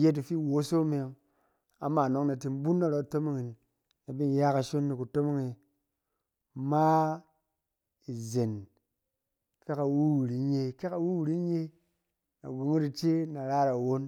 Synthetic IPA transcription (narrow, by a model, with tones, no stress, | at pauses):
je˦t̬i˨fi˦˨wo˨˦so˦me˨ŋ | a̰˨ma˨no˨kna˨ti˨n˦bu˦nːa˨ɾo˨to˦mo˦ŋi˨nː | a˨bi˦n˦ja˦ka˨ʃo˦nːi˨ku˨to˦mo˦ŋe˨ | ma˦ | i˨ze˨n | ka˦ka˨wu˦wu˨ɾi˨˦ɲe˧ka˦ka˨wu˦wu˨ɾi˦ɲe˦ | na̰˨ɡu˨˦ŋi˦ɾi˨t͡ʃe˦na˨ɾa˦ɾa˨wo˦n